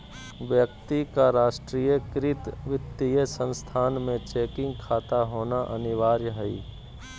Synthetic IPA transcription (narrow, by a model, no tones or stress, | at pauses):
ʋjək̚t̪ikaɾaːʃʈɾiːjəkɾɪt̪ʋɪt̪ːijesə̃nst̪ʰaːnmẽt͡ʃeːkɪ̃ŋɡkʰaːt̪aɦoːnaʔənɪʋaːɾjəɦɛḭ